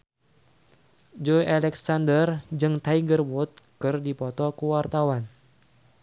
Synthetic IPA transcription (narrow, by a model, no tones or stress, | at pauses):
d͡ʒɔjʔalɛksandərd͡ʒɨŋt̪aiɡərwɔt̪̚kɨrdipɔt̪ɔkuwart̪awan